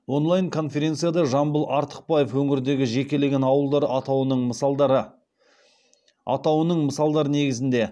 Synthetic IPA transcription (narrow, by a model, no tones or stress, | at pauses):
wo̞nlˠɑjŋkʰo̞nfʲe̞ɾʲe̞nt̪sɨjad̪ɑʒɑmbəlˠɑɾt̪ə̥q̚pɑjefwɵŋɪɾd̪e̞ɡʲɪʒe̞kʲe̞le̞ɡʲe̞nɑwəlˠd̪ɑɾəʔɑt̪ɑwənəɴməɾə | ɑ̰t̪ɑwənəɴməsɑlˠd̪ɑɾəne̞ɡʲɪzɪnd̪e̞